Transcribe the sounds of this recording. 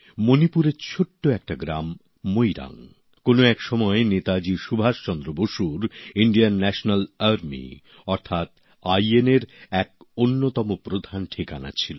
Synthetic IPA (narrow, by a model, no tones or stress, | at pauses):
monipuɾeɾt͡ɕʰoʈːoɛk̚ʈaɡɾamː | ojɾa̰ŋ | konoɛkʃɔmɔenet̪ad͡ʑiʃubʱaʃt͡ɕɔnd̪ɾoboʃuɾiɳɖianːɛʃonalaɾmḭ | ɔɾt̪ʰat̪ | ajeneɾɛk̚ | onːot̪ɔmopɾod̪ʱanʈʰikana̰t͡ɕʰilo